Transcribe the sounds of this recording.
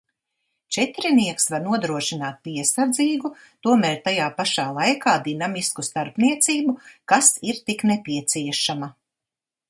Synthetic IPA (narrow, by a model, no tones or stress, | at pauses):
t͡ʃɛt̪ɾiniɛksvaɾnuɔd̪ɾuɔʃinaːt̪̚piɛsaɾd̪ziːɡu | t̪uɔmɛːɾʲt̪ajaːpaʃaːlˠajkaːd̪inamiskust̪aɾpniɛt̪siːbukasiɾt̪iknepʲiɛt̪siɛʃamɐ